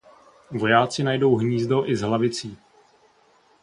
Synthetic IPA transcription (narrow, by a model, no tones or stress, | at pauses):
vo̞jaːt͡sɪnajdo̞wɦɲiːzdo̞ʔɪzɦlavɪt͡siː